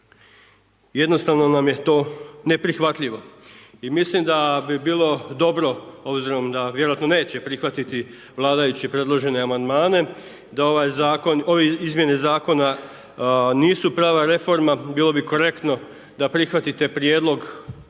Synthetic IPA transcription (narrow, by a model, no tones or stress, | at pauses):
je̞d̪no̞st̪aʋno̞namjet̪oːne̞pɾixʋat̪ʎiʋo̞imislimd̪abibiːlˠo̞d̪o̞bɾo̞o̞bziɾo̞md̪aʋjeɾoat̪no̞ne̞ːt͡ɕe̞pɾixʋat̪it̪i | ʋlˠaːd̪ajut͡ɕipɾe̞d̪lˠo̞ʒe̞ne̞amand̪maːne̞ | d̪ao̞ʋajzaːkono̞ʋeizmje̞nezaːko̞na | niːsupɾaːʋaɾe̞fo̞ɾmabiːlˠo̞biko̞ɾe̞kt̪no̞ | d̪apɾixʋat̪it̪e̞pɾije̞ːd̪lˠo̞ɡ